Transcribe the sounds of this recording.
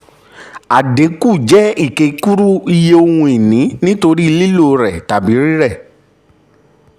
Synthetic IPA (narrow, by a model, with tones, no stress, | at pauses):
a˨de˨˦ku˦˨d͡ʒɛ˦i˦˨ke˨˦ku˦ɾu˦i˧je˦o˧hũ˧i˨nĩ˨˦nĩ˦to˧ɾi˦˧li˦lo˦˨˧ɾɛ˨ta˨bi˨˦ɾi˦ɾɛ˦˨